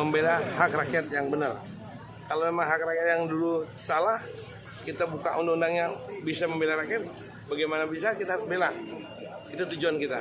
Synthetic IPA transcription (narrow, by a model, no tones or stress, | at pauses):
əmbelahak̚rakɛt̪̚jaŋbənər | kalomemaŋɦakrakɛt̪̚jaŋdulusalah | kit̪abuka̰ʔundaundaŋjaŋbisaməmbelaɾakɛt̪̚ | baɡajmanabis̬akit̪aɦaɾʊsbela | kit̪at̪ud͡ʒuankit̪a